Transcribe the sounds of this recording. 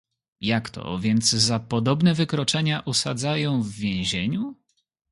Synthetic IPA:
jakt̪ʰɔ̰vʲjɛnd̪zzapɔd̪ɔbnɛvɘkɾɔt͡ʂɛɲaʔusa̰d̪zajɔ̃w̃vːʲjɛ̃w̃ʑeɲu

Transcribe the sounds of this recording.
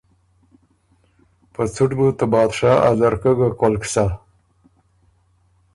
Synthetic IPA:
pət͡suʈbut̪abɑːd̪ʂaʔa̰zaɾkəɡakolksa

